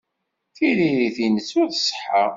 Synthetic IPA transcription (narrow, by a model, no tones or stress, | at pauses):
θiɾiɾiθinəsːuθə̥sə̥ħa